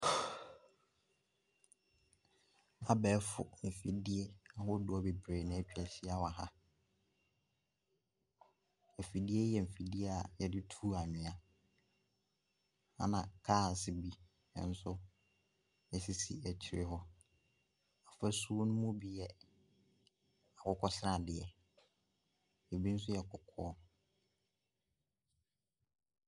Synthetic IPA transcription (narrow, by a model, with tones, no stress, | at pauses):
a˨bɛː˨˦fʊ̰˨m̩˨fi˨di˦e˦a˨ɦʊ˦dʊ˦ɔ˦be˨bɾeː˨nɪ̃˨æ˨t͡ɕᶣɛ˨ɕɪ˦a˨wa˨ɦa˦ | ɛ˨fi˨di˦e˦jɛ˨m̩˨fi˨di˦e˦a˨jɛ˨dɪ˦tʰuː˦a˨ɲᶣɪ̃˨a˨ | a̰˦nã˨kʰaː˦˨sɪ˨bi˦ | nɛ̰̃˨n̩˦sʊ˦ | ɛ˨si˦sḭ˨æ˨t͡ɕʰɪ˨ɪ˦ɦɔ˦ | ɔ˨fa˦su˦o˦nʊ̃˦mʊ̃˦bi˨jɛ˨ | a˨kɔ˨kʰɔ˦sɪ˦ɾa˨dɪ˨ɛ˨ | ɛ˨bi˦n̩˦s̬ʊ˦jɛ˨kʰɔ˨kʰɔː˦